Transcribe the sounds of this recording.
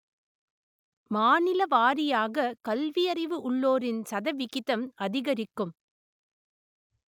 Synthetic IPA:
maːnɪlɐʋaːɾɪjaːɣɐkɐlʋijɐrɪʋɯʔʊɭːoːɾɪnsɐðɐʋɪɣɪðɐmɐðɪɣɐɾɪkːɯm

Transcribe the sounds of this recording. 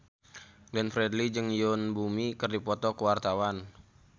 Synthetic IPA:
ɡlɛnfɾɛdlid͡ʒɨŋjʊnbumikərdipɔt̪ɔkəwart̪awan

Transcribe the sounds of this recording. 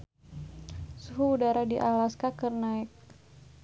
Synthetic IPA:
suɦuudaɾadiʔalaskakərnaɪk̚

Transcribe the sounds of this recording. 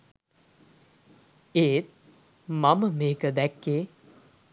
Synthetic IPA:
eːt̪̚ | maməmeːkəd̪ɛkːeː

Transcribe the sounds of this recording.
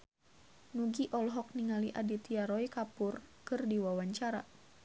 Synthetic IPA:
nuɡiʔɔlɦɔk̚niŋaliʔa̰dit̪iaɾɔjkapurkɨrdiwawaɲt͡ʃaɾa

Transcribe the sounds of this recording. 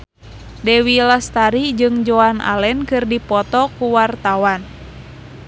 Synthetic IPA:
dɛwilast̪aɾid͡ʒɨŋd͡ʒoanʔa̰lɛnkɨrdipɔt̪ɔkuwart̪awan

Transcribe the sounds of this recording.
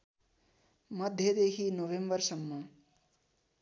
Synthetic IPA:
mʌd̪ʱjʌd̪ekʰinoʋembʌrsʌmːʌ

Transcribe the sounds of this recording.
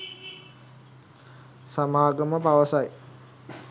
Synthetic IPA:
samaːɡəməpaʋəsaj

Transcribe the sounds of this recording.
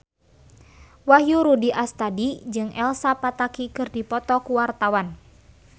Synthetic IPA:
wahjuɾudiʔast̪adid͡ʒɨŋʔɛlsapat̪akikɨrdipɔt̪ɔkuwart̪awan

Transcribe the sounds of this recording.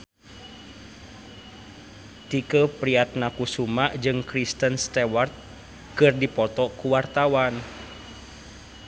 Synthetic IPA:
t̪ikəpɾiat̪̚nakusumaʔd͡ʒɨŋkɾist̪ənst̪ewart̪̚ | kɨrdipɔt̪ɔkuwart̪awan

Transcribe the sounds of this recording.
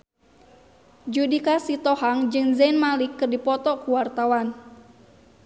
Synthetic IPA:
d͡ʒudikasit̪ɔhaŋd͡ʒɨŋzɛnmalikːɨrdipɔt̪ɔkuwart̪awan

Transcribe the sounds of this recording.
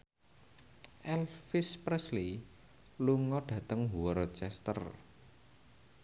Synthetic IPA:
ʔɛlfispɾɛsli | luŋɔɖ̥ä̤t̪əŋɦuɔrt͡ʃɛst̪ə̰r

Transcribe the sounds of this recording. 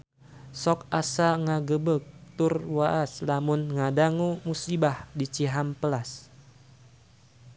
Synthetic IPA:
sɔk̚asaŋaɡəbək̚t̪ʊrwaʔaslamunŋadaŋumusibahdit͡ʃiɦampəlas

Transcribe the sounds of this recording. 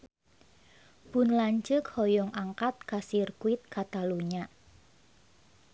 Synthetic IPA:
b̥ʊnlaɲt͡ʃəkhɔjɔŋʔaŋkat̪̚kasɪrkuɪt̪̚kat̪aluɲa

